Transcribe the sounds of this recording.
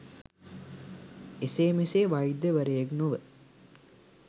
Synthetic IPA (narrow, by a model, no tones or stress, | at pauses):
eseːmiseːʋajd̪jəʋəɾejeknoʋə